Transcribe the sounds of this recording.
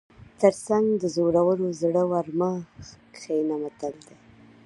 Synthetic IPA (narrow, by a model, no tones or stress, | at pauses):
t̪əɾsaŋɡd̪əzoɾawəlozɽəwaɾmax | xejnamat̪əld̪a